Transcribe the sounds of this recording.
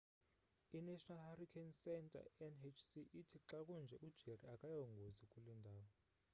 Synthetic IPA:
inɛʃɔnalharikʰɛnsɛntʼa̰ɛnet͡ʃʰsiʔitʰiǁak̬ʼund͡ʒʱɛʔud̥ʒ̥ʱeriakʼajɔŋɡʱozikʼulɛndʱaːwɔ

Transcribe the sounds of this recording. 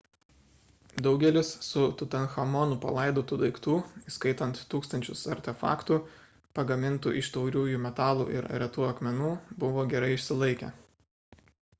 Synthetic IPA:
d̪ɒʊɡʲɛlʲɪsːʊt̪ʊt̪ʲɐnxɐmɔnupɐ̰lˠɐˑɪd̪oːt̪uːd̪ɐɪkt̪uːiskɐɪt̪ɐnt̪ːuːkst̪ɐnʲt͡ʃʲʊsɐɾʲt̪ʲɛfɑ̰ːkt̪u | pɐɡɐmʲɪnt̪ṵːʔɪʃt̪ɒʊɾʲuːjuːˑmʲɛt̪ɑːlˠṵːʔɪ̰ɾɾʲɛt̪uːɐkmʲɛnuːbʊʋoːɡʲɛɾɐɪɪʃʲsʲɪlˠɐɪkʲɛ̰ː

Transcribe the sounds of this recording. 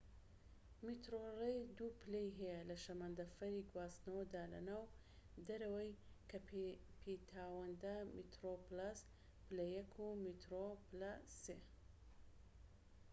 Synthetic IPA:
mit̪ɾorejd̪upɨlejɦɛjɐlɐʃɐmand̪ɐfɐɾiɡwaːsnɐwɐd̪aːlɐ̰naːw | d̪ɐɾɐwɐjkʰɐppʰit̪ʰaːwɐnd̪ɐmit̪ɾoplas | pɨlɐjɐkʰumit̪ɾoplɐse

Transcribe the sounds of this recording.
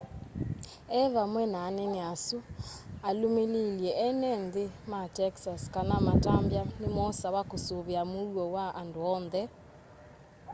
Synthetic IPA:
ɛβamwɛnaːnɛneasualomeliljɛɛnɛnðematɛksaskanamatambjanemɔsawakosoβeamowɔwaʔandoɔːnðɛ

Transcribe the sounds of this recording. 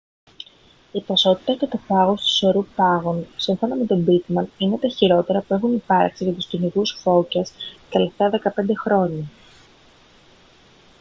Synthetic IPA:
iposo̞t̪i̥t̪ɐft̪et̪ofɐɣo̞st̪u̥so̞ɾupɐɣonsiɱfo̞nome̞t̪o̞bit̪mɐnine̞t̪ɐçiɾo̞t̪e̞ɾɐpue̞xunipɐɾksiʝɐt̪ust̪iniɣusfo̞cɐst̪ɐleft̪ɐðe̞kɐpe̞nd̪e̞xɾo̞ɲɐ

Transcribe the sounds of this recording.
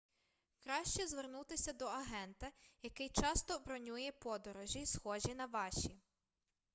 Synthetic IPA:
kɾɑʃʲt͡ʃɛzʋernut̪ɪsʲɐd̪ɔɐɦɛnt̪ɐjɐkɪjt͡ʃɑst̪ɔbɾɔnʲujɛpɔd̪ɔɾɔʒʲisxɔʒinɐʋɑʃʲi

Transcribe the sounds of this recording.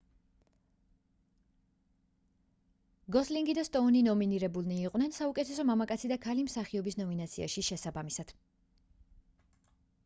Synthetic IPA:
ɡɔsliŋɡid̪ast̪ʼɔninɔminiɾɛbulˠniːqʼwnɛnsaukʼɛt̪ʰɛsɔmamakʼat̪sʰid̪akʰalimsaχiɔbisnɔminat̪sʰia̰ʃiʃɛsabamisad̪̥

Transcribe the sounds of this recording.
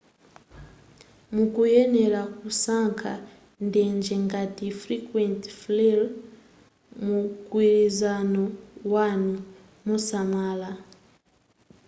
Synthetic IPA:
mukujeneɾakusaŋkʰa̰ | ndeːɲd͡ʒeŋɡatifɾikwentflil | mukwiɾizanowanu | musamala

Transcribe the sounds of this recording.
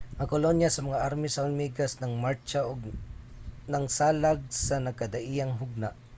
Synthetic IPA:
ŋɐkʊlonjasɐmɐŋaʔaɾmɪsaʊlmiɡasnɐŋmaɹt͡ʃaʔʊɡ | nɐŋsaːlaɡ̚sanɐɡ̚kɐd̪aʔijaŋɦʊɡ̚naʔ

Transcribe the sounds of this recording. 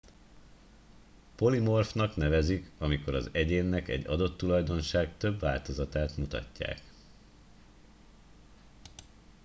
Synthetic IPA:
po̞limo̞rfnɒkn̪ɛvɛzikɒmiko̞ɾɒ̰zɛɟeːnːɛkɛ̰ɟːɒd̪o̞t̪ːulɒjd̪o̞nʃaːɡt̪ø̞bʋa̰ːlt̪o̞zɒt̪aːt̪mut̪ɒ̰cːa̰ːk

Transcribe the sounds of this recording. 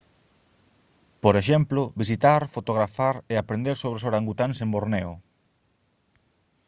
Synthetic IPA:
poɾeʃ̬ɛmplʊβisit̪aɾfot̪oɣɾafaɾeapɾend̪eɾsoβɾesoβɾaŋɡut̪ansemboɾnɛo

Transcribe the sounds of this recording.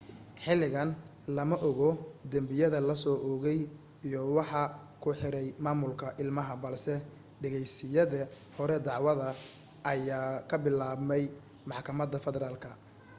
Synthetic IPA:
ħɪlɪɣɐn | lɐmɐʔɔɣɔd̪ɐmbɪjɐðɐlɐsɔːʔɔːɣɛj | ijɔwɑħɑ | kʰʊħɪɾɛjmaːmʊlkʰɐʔɪlmɐɦɐbɐlsɛ | ɖɛɣɛjsɪjɐðɐ | hɔɾɛd̪ɑʕwɐðɐ | ɐjaːkʰɐbɪlaːbmɛj | mɑħkʰɐmɐd̪ɐfɛðɛɾaːlkʰɐ

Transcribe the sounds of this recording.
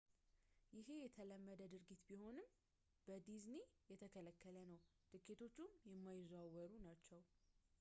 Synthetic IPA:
jɪɦe̞jɛt̪ʰələmːəd̪əd̪ɨɾɡit̪biho̞nɨm | b̥əd̪iznijɛt̪ʰəkʰələkʰːələnəwt̪ɨkːet̪ʰo̞t͡ʃːumjɛmːajɪzawəɾunat͡ʃːɛw

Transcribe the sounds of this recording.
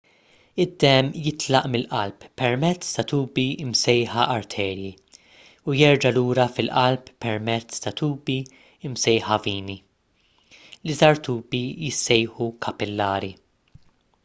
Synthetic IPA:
ɪd̪ːɛmːjɪt̪lɐʔmɪlʔɐlppːɛɾmɛt͡sːt̪ɐt̪uːbiɪmsɛjħɐʔɐɾt̪ʰɛːɾji | ujɛɾd͡ʒɐluːɾɐfɪlʔɐlppːɛɾmɛt͡sːt̪ɐt̪uːbi | ɪmsɛjħɐviːni | lizɐɾt̪uːbijɪsːɛjħukʰɐpɪlːɐːɾi

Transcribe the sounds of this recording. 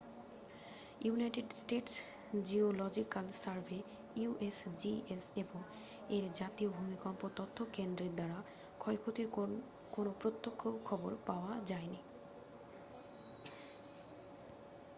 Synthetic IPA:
junajʈeɖsʈeʈs | d͡ʑiolɔd͡ʑikalsaɾvʱe | uʔesd͡ʑieseboŋ | eɾd͡ʑat̪iobʱumikɔmpot̪ɔt̪ʰːokend̪ɾeɾd̪aɾa | kʰɔekʰot̪iɾ | konopɾot̪ːokʰːokʰɔboɾpaoad͡ʑaeni

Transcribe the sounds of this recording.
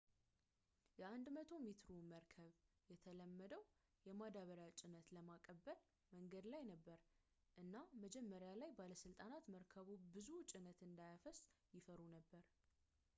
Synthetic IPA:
jɛʔand̪mət̪ʰo̞met̪ɾoməɾkʰəβjɛt̪ʰələmːəd̪əw | jɛmad̪aβəɾjat͡ʃʼɪnət̪ləmakʼəbːəl | məŋɡəd̪lajnəbːəɾ | ʔɨnːaməd͡ʒɛmːəɾjalajbaləsɨlt̪ʼanat̪məɾkʰəβubɨzut͡ʃʼɪnət̪ɨnd̪ajafəsjɪfəɾunəbːəɾ

